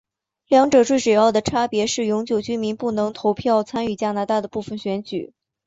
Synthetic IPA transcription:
ljɑ˧˥ŋʈ͡ʂɤ˨˩ʈ͡ʂwe˥˩ɪʂwe˨˩jɑ˥˩ʊd̪ə˩ʈ͡ʂʰa˥pjɛ˧˥ʂɻ̩˥˩jʊ˧˥ŋt͡ɕjo˨˩ʊt͡ɕy˥mi˧˥npu˥˩nɤ˧˥ŋt̪ʰo˧˥ʊpʰjɑ˥˩ʊt͡sʰa˥ny˥˩t͡ɕja˥na˧˥t̪a˥˩d̪ə˩pu˥˩fə˨˩nɕɥɛ˧˥nt͡ɕy˨˩˦

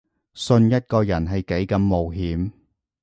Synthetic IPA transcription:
sɵ˧njɐ˥t̚kɔː˧jɐ˨˩nɦɐ˨jke˨˥jkɐ˨˧mːo˨wɦiː˨˥m

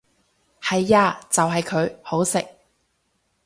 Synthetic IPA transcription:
hɐ˨jːaː˧t͡sɐ˨wɦɐ˨jkʰɵ˨˧ɥho˨˥wsɪ˨k̚

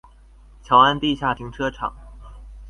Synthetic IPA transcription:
t͡ɕʰjɑ˧˥ʊa˥˧nt̪i˥˧ɕja˥˩t̪ʰi˧˥ŋʈ͡ʂʰɤ˥ʈ͡ʂʰɑ̰˨˩˦ŋ

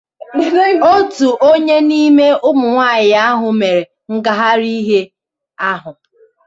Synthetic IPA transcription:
o˦tu˨ʔo˦ɲe˦ni˦me˦ʊ˦mʊ˨ŋʷaː˦˨ɲɪ˨a˦ɦʊ˨me˨ɾe˨ | ŋ̩˦ɡa˨ɦa˦ɾi˦ɦe˦ | a˦ɦʊ˨

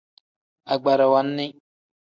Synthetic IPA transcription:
a˨ɡ͡ba˨ɾa˨wa˨˦nːɪ˦

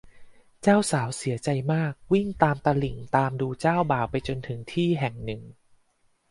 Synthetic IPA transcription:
t͡ɕaː˥˩wsaː˩˦wsi˨˩˦ɐt͡ɕa˧jmaː˥˩k̚wi˥˩ŋt̪aː˧mt̪aː˧li˨˩ŋt̪aː˧mduː˧t͡ɕaː˥˩wbaː˨˩wpa˧jt͡ɕo˧nt̪ʰɯ˩˦ŋt̪ʰiː˥˩ɦɛ˨˩ŋnɯ˨˩ŋ

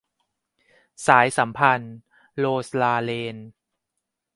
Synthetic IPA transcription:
saː˩˦jsa˩˦mpʰa˧n | loː˧slaː˧leː˧n

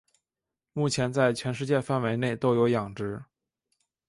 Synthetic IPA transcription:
mu˥˩t͡ɕʰjɛ˧˥nt͡sa˥˩ɪt͡ɕʰɥɛ˧˥nʂɻ̩˥˧t͡ɕjɛ˥˧fa˥˩nwe˧˥ɪne˥˩ɪt̪o˥ʊjo˧˥ʊjɑ˨˩ŋʈ͡ʂɻ̩˧˥

